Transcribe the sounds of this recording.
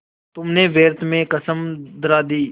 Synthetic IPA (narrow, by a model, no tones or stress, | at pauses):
t̪ʊmneːʋeːɾt̪ʰmẽkəsəmd̪əɾaːd̪iː